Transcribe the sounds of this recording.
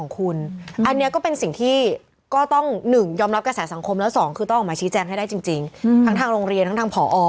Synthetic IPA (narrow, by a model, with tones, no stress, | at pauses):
ɔː˩˦ŋkʰu˧nʔa˧nːi˦˥ɐkɔː˥˩pe˧nsi˨˩ŋt̪ʰiː˥˩ | kɔː˥˩t̪ɔ˥˩ŋnɯ˨˩ŋjɔː˧mɾa˦˥p̚kɾa˧sɛː˩˦sa˨˩˦ŋkʰo˧mlɛː˦˥wsɔː˩˦ŋkʰɯː˧t̪ɔ˥˩ʔːmaː˧t͡ɕʰiː˦˥t͡ɕɛː˧ŋɦa˥˩da˥˩t͡ɕi˧ŋt͡ɕi˧ŋt̪ʰa˦˥ŋt̪ʰaː˧ŋɾoː˧ŋɾi˧ənt̪ʰa˦˥ŋt̪ʰa˧ŋpʰɔː˩˦ʔɔː˧